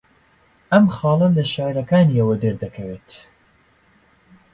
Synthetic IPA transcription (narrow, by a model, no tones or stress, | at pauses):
ʔɐmxɑːlˠɐmlɐʃaːjɾɐkaːniɐwɐd̪əɾd̪ɐkʰɐweːt̪